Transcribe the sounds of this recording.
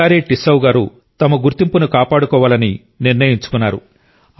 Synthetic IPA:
aːɾiʈisɐwɡaːɾu | t̪ɐmɐɡuɾt̪impunukaːpaːɽukɔːʋaːlɐni | niɾnɐjiɲt͡ʃu̥kunːaːɾu

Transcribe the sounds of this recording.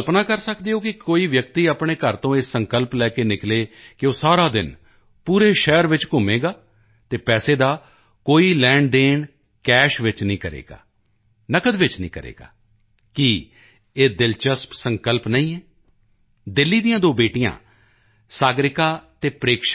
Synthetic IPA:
lpnaːkəɾsəkd̪eːoːkɪkoːiːʋjəkt̪iːapɳeːkəɾt̪õːɪːsəŋkəlplɛːkeːnɪkleːkɪoːsaːɾaːd̪ɪn | puːɾeːʃɛːəɾʋɪt͡ʃkʊmeːɡaː | t̪eːpɛːseːd̪aː | koːiːlɛːɳɖɖeːɳ | kɛːʃʋɪt͡ʃnəĩːkəɾḛːɡa̰ː | nəkəd̪ʋɪt͡ʃnḭ̃ːkəɾḛːɡa̰ː | ki | eːd̪ɪlt͡ʃəspsəŋkəlpnəĩːɛː | d̪ɪlːiːd̪ijãːd̪oːbeːʈijã̰ː | saːɡɾɪkaːt̪eːpɾeːkʃ

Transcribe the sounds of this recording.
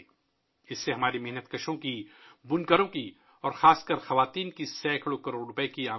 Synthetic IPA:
ɪsːeɦɐmaːɾimeɦnət̪kɐʃõkibʊnkəɾõki | ɔːɾxaːskəɾxɐʋaːt̪iːnkisɛːkʰɽokɐɾoɾɾʊpəekiaː

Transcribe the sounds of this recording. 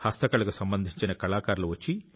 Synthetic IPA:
hɐst̪ɐkɐɭukusɐmbɐnd̪ʱiɲt͡ʃinɐkɐɭaːkaːɾɐluʋɐt͡ʃːi

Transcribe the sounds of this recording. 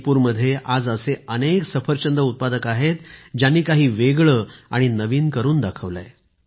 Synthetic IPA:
puːɾməd̪ʱːjeʔad͡zəseəneksəfəɾt͡ɕənd̪əut̪̚pad̪əkaɦet̪d͡ʑjanːiːkaɦiːʋeɡɭəːaɽ̃inəʋiːnkəɾuːnd̪akʰəʋla̰j

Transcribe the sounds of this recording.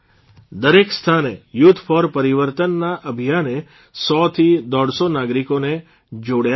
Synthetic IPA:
d̪əɾekst̪ʰanejʊt̪ʰːfʰɔɾpəɾiʋəɾt̪ənːaʔəbʱijane | sɔt̪ʰid̪ɔɽsonaɡɾikone | d͡ʒoɽja

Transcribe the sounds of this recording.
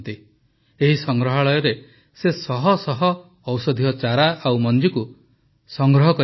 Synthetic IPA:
nt̪i | eɦisɔŋɡɾɔɦaɭɔjɔɾe | sesɔɦɔsɔɦɔː | wsɔd̪ʱiɔt͡ʃaɾaʔawmɔnd͡ʒiku | sɔŋɡɾɔɦɔkɔ

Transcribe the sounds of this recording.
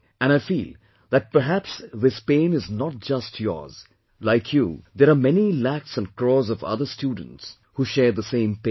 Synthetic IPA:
æ̃naɪfḭːlˠ | d̪æt̚pə˞ɦæpsðɪspẽɪ̃nɪznɔt̚d͡ʒʌstʰjɔ̰ɹz̥ | laɪkʰjṵd̪ɛɾamɛnilæksə̃nkɹɔːzɔvʌ̰ðə˞stjuːdə̃n̩ts | huʃɛːɹd̪əsẽɪ̃mpẽ

